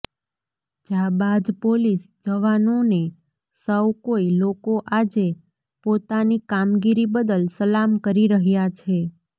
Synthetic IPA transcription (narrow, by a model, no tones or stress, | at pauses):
d͡ʒabad̪polisd͡ʒəʋanone | səwkoilokoʔad͡ʒe | pot̪anikamɡiɾibəd̪əlsəlamkəɾiɾəɦjat͡ʃʰe